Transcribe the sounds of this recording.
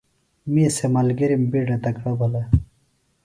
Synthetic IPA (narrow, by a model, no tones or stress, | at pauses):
misemɐlɡiɾimbiɖɐt̪ɐkɽɐbɐle